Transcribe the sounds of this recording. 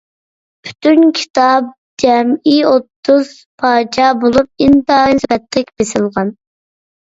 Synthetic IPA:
pʰy̥t̪ʰynkʲʰi̥t̪ʰɑp̚ | d͡ʒɛmiot̪ʰːuz̥ | pʰɑːt͡ʃʰɑbolˠup̚int̪ɑbɛt̪lɪkʲb̥esɪlˠʁɑn

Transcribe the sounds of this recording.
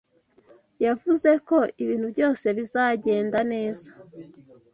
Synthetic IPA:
javuze̞ko̞iβiːn̥hubjo̞ːse̞βizaːɟe̞ːndane̞ːza

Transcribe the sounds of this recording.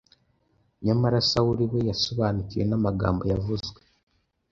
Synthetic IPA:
ɲamaɾasawuɾiβejaso̞βaːnukije̞namaɡa̰ːmbo̞javuzɡwe

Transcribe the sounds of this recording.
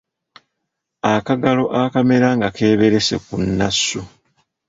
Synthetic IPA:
akaɡalo̞ʔakame̞ɾaŋɡake̞ːβe̞ɾe̞se̞̰kunːasːu

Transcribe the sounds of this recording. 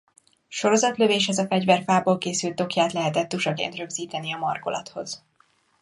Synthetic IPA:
ʃo̞ɾo̞zɒt̪løveːʃɛzɒfɛɟvɛrfaːboːlkeːsylt̪o̞kjaːt̪lɛɦɛt̪ɛt̪ːuʃɒɡḛnt̪rø̞ɡziːt̪ɛniɒmɒrko̞̰lɒ̰t̪ho̞̰z̥

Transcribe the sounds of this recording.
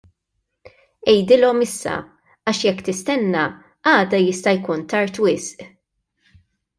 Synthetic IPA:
ɛjd̪ɪlɔmɪsːɐ̰ | ɐʃjɛkːt̪ɪst̪ɛnːɐ | ɐːd̪ɐjɪst̪ɐjkuːnt̪ɐɾt̪wɪsʔ

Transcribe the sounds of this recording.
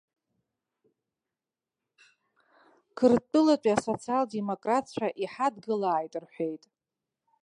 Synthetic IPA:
kʰɨrtʼɨlat͡ʃʼiaso̞t͡sʰialde̞mo̞kʼratʰt͡ʃʷʰaʔiħadɡɨlaːjtʼɨrħʷe̞jtʼ

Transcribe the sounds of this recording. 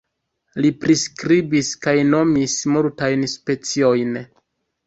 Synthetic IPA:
lipɾiskɾibiskajno̞mismultajnspe̞t͡sio̞jn

